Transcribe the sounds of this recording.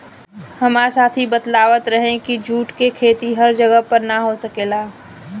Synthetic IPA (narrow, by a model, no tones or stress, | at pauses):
həmaːɾsaːt̪ʰibət̪laːʋət̪ɾəɦẽkid͡ʒuːʈkekʰeːt̪iɦɐɾd͡ʒəɡəɦpəɾnaɦosəkeːlaː